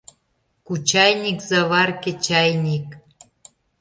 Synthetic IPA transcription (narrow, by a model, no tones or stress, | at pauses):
kut͡ɕɑjnʲikzɑβɑrkĕt͡ɕɑjnʲik